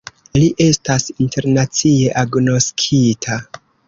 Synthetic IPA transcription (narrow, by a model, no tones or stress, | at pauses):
liʔe̞stasinte̞ɾnat͡sie̞ʔaɡno̞skʰitʰa